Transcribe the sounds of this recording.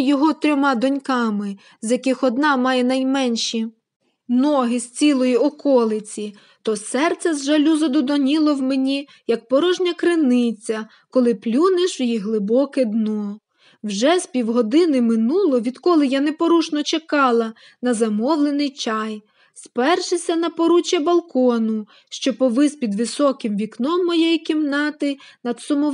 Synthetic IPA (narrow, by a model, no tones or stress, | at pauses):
jɔɦɔt̪ɾʲɔmɑd̪ɔnʲkɑmɪ | zjɐkɪxɔd̪nɑmɑjɛnɐjmɛnʲʃi | nɔɦɪsʲt͡sʲilˠɔjiɔkɔlˠɪt͡sʲi | t̪ɔsɛrt̪sɛzʒɐlʲuzɐd̪ɔd̪ɔnʲilˠɔwmenʲi | jɐk̚pɔɾɔʒnʲɐkɾɪnɪt͡sʲɐ | kɔlˠɪplʲuneʃjiɦlˠɪbɔkɛd̪nɔ | wʒɛspʲiwɦɔd̪ɪnɪmɪnulˠɔʋʲid̪kɔlˠɪjanɛpɔɾut͡ʃnɔt͡ʃekɑlˠɐ | nɐzɐmɔʋlˠenɪjt͡ʃɑj | spɛrʃɪsʲɐnɐpɔɾut͡ʃɐbɐlˠkɔnʊ | ʃt͡ʃɔpɔʋɪzpʲid̪ʋɪsɔkɪmʋʲiknɔmːɔjɛjikʲimnɑt̪ɪnɐd̪sʊmɔ